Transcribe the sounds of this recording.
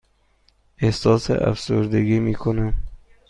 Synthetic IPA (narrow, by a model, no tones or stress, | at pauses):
ehsɔsḛʔa̰fsuɾd̪aɡimikʰʊnam